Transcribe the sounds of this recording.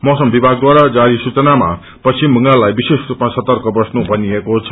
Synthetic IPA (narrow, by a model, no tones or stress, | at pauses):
mʌsʌmbibʱaɡ̚d̪waɾad͡zaɾisut͡sʌnama̰ | pʌsimbʱʌŋɡalːajbisesrupmasʌt̪ʌrkʌbʌsnubʱʌniekot͡sʰʌ̥